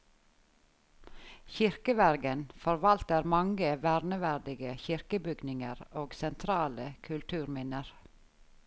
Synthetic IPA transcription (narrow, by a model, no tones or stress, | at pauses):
çɪɾkəʋæɾɡənfɔɾʋɑlt̪əɾmɑŋɡəʋæːɾnəʋæɾɖ̪ɪɡəçɪɾkəbʏɡnɪŋəɾoːɡsɛnt̪ʰɾɑːləkʰʉlt̪ʰʉːɾmɪnəɾ